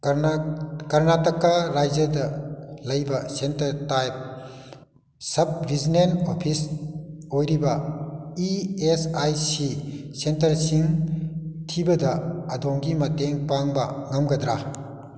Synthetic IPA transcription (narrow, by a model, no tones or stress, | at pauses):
kɐɾnatɐkːaɾajd͡ʒɐdɐlɐjbɐsentɐɾtajp̚ | sɐb̚ɾizinenopʰis | ojɾibɐiesajsisentɐɾsiŋ | tʰibɐdɐɐdoŋɡimɐteŋpaŋbɐŋɐmɡɐdɾa